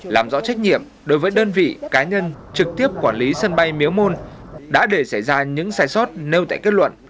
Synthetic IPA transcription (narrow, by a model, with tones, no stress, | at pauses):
laː˨˩mzɔ̰˧˥t͡ɕa˦˥jk̟̚ɲḭ˧˨əm | ɗo˨˦jvəː˨˦jɗəː˧nvḭ˧˨kaː˨˦ɲə˧nt͡ɕɨ˨˩k̚t̪i˦˥əp̚kwaː˧˩nli˨˦sə˧nɓa˧jmi˨˦əwmo˧n | ɗa̰ː˧˥ɗe˧˩sa˧˩jzaː˧ɲɨ̰˧˥ŋsaː˧˩jsɔ˦˥t̚ne˧wt̪a̰ː˧˨ke˦˥t̚lwə̰˧˨nʔ